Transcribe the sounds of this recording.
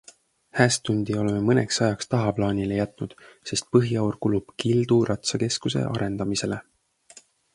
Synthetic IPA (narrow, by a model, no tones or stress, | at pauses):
hæːst̪unʲd̪̥io̞leme̞mɤne̞̰ksɑjɑkst̪ɑɦɑplɑːnʲilejæt̪ˑnud̪̥se̞st̪̚pɤɦiɑwrkulub̥kild̪̥uɾɑt̪sɑke̞skuse̞̰ʔɑ̰ɾe̞nd̪̥ɑmise̞le̞